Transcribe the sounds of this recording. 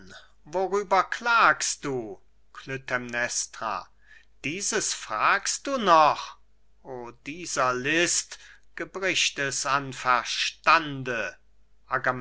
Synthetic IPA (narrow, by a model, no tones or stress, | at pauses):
voʁyːbɐklaːkst̚d̥uː | kʰlʏtʰɛmnɛstʁa̰ | d̥iːzəsfʁ̥aːkst̚d̥uːnɔχ | oːdiːzɐlɪstɡ̥əbʁɪʃtɛsanfɛɐʃtandə | ʔaɡam